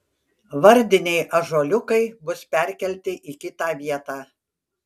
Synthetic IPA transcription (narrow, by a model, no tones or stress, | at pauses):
ʋɐɾʲd̪ʲɪnʲɛɪʔɐʒoːlʲʊkɐɪbʊspʲɛˑɾʲkʲɛlʲt̪ʲɪʔiːkʲɪt̪ɑːʋʲiɛt̪ɑː